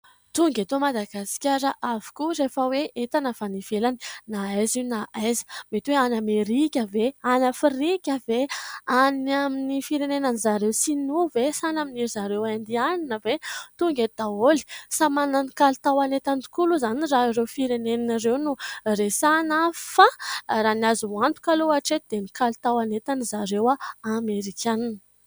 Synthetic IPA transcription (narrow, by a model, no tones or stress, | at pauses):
t̪uŋɡat̪omad̪aɡasi̥kʲaɾəʔavu̥kurefəweʔet̪anafanifelani̥naajzinaajzə̥met̪iweanameɾikʲəveanafiɾikʲəveaniaminifiɾenenanizaɾewsinuvesanaminiɾizaɾewand̪ianinəvet̪uŋɡed̪̥aoli̥samananikalt̪awanet̪anɖ͡ʐi̥kuluzaniraiɾewfiɾenennrewnuresanafaranazuant̪u̥kaloaʈ͡ʂet̪̚d̪enikalut̪awanet̪anizaɾewaameɾikʰʲananə̥